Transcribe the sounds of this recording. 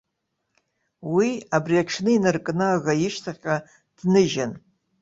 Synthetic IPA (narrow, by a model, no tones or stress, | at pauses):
wiabriaʈ͡ʂʰnɨinɨrkʼnɨaɣajɪʂtʰaχʲa | d̥nɨʒan